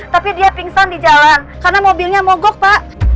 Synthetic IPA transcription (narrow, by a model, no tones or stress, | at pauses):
t̪apidiapiŋsɔndid͡ʒalan | karnamobilɲamɔɡɔk̚paʔ